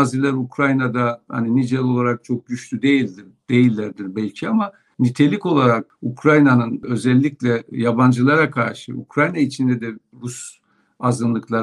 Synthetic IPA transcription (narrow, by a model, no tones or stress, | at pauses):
azilʲˠaɾukʰɾajnad̪aha̰ninid͡ʒɛlʲˠo̞lˠaɾak̚t͡ʃʰo̞k̚ɟyʃlʰyd̪e̞jilʲd̪iɾd̪̥e̞jilʲːæɾd̪iɾbɛlʲcʰiama | nit̪ʰe̞lʲiko̞lˠaɾak̚ukʰɾajnanɯnø̞zɛlʲːiclʲɛjaband͡ʒɯlˠaɾakʰaɾʃɯ̰ʔṵkɾajnait͡ʃʰind̪ɛd̪ɛ | ɾus | azɯnlˠɯklˠaɾ